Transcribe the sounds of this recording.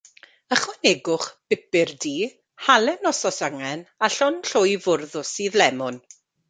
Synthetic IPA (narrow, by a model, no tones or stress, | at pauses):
əχwɛnɛɡʊχb̥ɪbɪrdiː | halˠɛnɔsɔsaŋɛnaɬɔnɬʊjvʊrðʊsiːðlɛmʊn